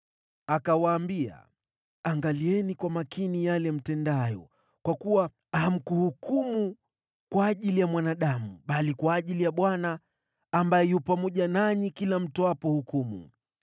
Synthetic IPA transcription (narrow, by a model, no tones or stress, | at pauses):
akawaːmbia̰ | aŋɡaliɛnikwamakinijalɛm̩tɛndajɔ̰ | kwakuwa | ham̩kuhukumu | kwaːʄilijamwanaɗamuɓalikwaːʄilijaɓwanaː | mbajɛjupamɔʄanaɲikilam̩tɔwapɔhukumṵ